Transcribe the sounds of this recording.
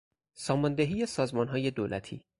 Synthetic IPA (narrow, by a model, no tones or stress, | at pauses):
sɒːmɒnd̪eɦiːjesɒːzmɒːnɦɒːje̞d̪oːlʔæt̪ʰḭː